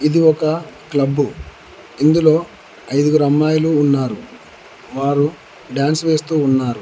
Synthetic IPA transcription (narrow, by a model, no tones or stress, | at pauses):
id̪iɔkɐklɐbːu | ind̪ulo̞ː | ɐjd̪uɡɾɐmːaːjɐluːnːaːɾu | ʋaːɾu | ɖjaːnsʋe̞ːst̪uːnːaːɾu